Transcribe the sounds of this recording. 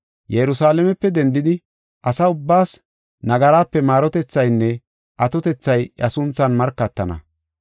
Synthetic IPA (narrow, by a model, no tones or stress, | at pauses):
jɛɾʊsaːlɛmɛpːɛd̪ɛnd̪ɪd̪ɪ | ʔɐsɐʊbːaːs | nɐɡɐɾaːpːɛmaːɾɔt̪ɛt͡sːɐjnːɛ | ʔɐt̪ɔt̪ɛt͡sːɐjɐsʊnt͡sːɐnmɐɾkːɐt̪ːɐnɐ̰